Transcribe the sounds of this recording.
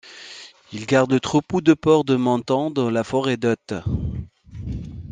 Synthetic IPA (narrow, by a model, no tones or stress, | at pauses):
ilɡaʁd̪lət̪χopud̪əpɔʁd̪əmɑ̃t̪ɑ̃d̪ɑ̃lafɔʁed̪ɔt̪